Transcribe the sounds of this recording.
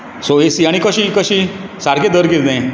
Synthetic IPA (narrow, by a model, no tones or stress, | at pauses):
soesiaɽ̃ikəɕiːkəɕiːsaɾked̪əɾkit̪naj